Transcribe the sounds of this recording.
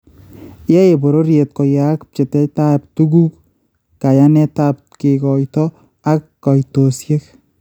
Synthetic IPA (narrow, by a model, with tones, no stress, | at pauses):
jɛ˦e˨bo˨ɾo˦ɾje˨t̚kɔ˨ja˨k̚t͡ʃe˨tɛ˦tap̚tu˦ɡu˦k | ka˨janɛ˦ta˦p̚ | kɪ˨kɔ˨jtɔ˦ | a˦kːɔ˨jto˨sje˦k